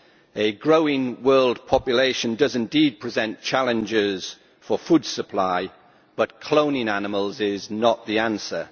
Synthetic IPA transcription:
ɨɡɹoʊɪ̃ŋwɜːlˠd̚pʰɒpjəleɪʃə̃ndʌzɪ̃ndiːd̚pʰɹ̥ɪzɛ̃nt͡ʃʰalˠɪ̃nd͡ʒɪz̥ | fəfuːd̥səpʰl̥aɪ | b̥ʌtkʰl̥õʊ̃nɪ̃ŋanɪməlˠzɪznəʔðiãnsə

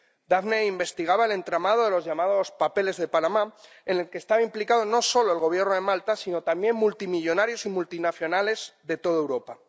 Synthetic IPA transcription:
d̪aβneimbe̞st̪iɣ̞aβae̞le̞nt̪ɾamað̞o̞ðe̞lo̞zʝamaðo̞spape̞le̞zðepanama | ene̞lkeːst̪aβaimplikaðo̞no̞so̞loe̞lɣo̞βje̞ɾrnoðe̞malt̪asino̞t̪ambje̞mmːult̪imiʎo̞naɾjo̞simult̪inaθjo̞nale̞zðe̞t̪o̞ðaewɾo̞pa

